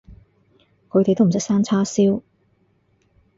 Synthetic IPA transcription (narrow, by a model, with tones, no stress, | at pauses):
kʰɵ˨˧ɥt̪e˨jt̪o˥m˨˩sɐ˥k̚saː˥nt͡sʰaː˥siː˥w